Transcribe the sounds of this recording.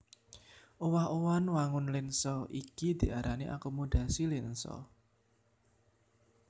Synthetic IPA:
ʔowahowanwaŋʊnlɪnsɔikid̪̥i̤aɾaniʔa̰kɔmɔd̪̥a̤silɪnsɔ̰

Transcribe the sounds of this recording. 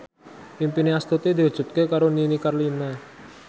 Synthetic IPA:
pimpineast̪ut̪id̪i̤ɦu̥ʒ̥ṳt̪̚kekaɾoninikarlina

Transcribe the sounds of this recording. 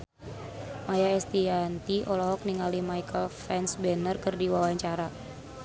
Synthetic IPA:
majaɛst̪iant̪iʔɔlɔɦɔk̚niŋalimajkəlfɛnsbɛnərkərdiwawaɲt͡ʃaɾa

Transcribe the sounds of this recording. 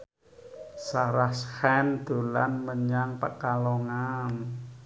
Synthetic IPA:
saɾahshɛnd̪̥o̤la̰nməɲaŋpa̰ʔkalɔŋan

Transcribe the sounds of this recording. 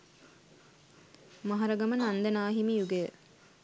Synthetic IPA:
mɐɦɐɾɐɡɐmɐnand̪ɐnaːɦimijuɡejə

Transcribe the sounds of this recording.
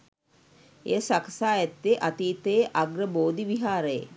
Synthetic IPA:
ḛjsaksaːɛt̪ːeʔat̪iːt̪əjʔaɡɾəboːd̪iʋiɦaːɾəjḛ

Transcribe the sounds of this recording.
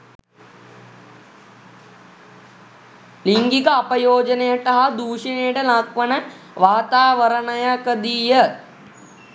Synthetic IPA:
liŋɡikəɐpɐjoːd͡ʒɐnejəʈɐɦad̪uːʂinejəʈəlakʋɐnə | ʋaːt̪aːʋəɾɐnɐjakəd̪ijə

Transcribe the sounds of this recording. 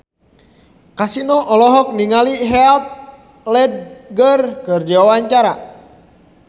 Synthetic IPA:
kasinɔʔɔlɔɦɔk̚niŋaliɦɛlt̪̚ | lɛd̚ɡərkərd͡ʒawawaɲt͡ʃaɾa

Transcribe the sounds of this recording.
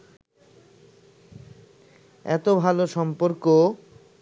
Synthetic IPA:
ɛ̰t̪obʱaloʃɔmpoɾko

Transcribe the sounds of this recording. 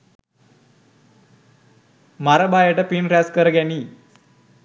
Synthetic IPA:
maɾəbajəʈəpinɾæskəɾəɡjaniː

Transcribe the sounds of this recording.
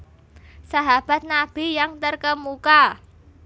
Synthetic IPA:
saɦab̥a̤t̪̚nab̥i̤jaŋt̪ərkəmuka

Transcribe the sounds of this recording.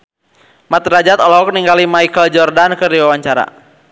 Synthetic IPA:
mat̪rad͡ʒat̪ɔlɔɔk̚niŋɡalimajkəld͡ʒɔrdankərdiwawaɲt͡ʃaɾa̰

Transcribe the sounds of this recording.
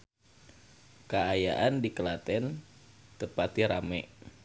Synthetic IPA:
kaaja̰ʔandikəlat̪ɛn | t̪əpat̪iɾamɛʔ

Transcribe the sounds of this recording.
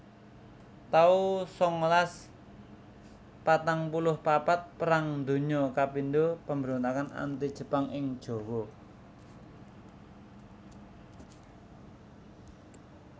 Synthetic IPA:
t̪ausɔŋlas | pat̪aŋpulʊhpapat̪̚pəɾaŋnd̪o̤ɲɔkapindopəmbəɾont̪akana̰nt̪id̥ʒ̥ə̤paŋɪŋd̥ʒ̥o̤wɔ

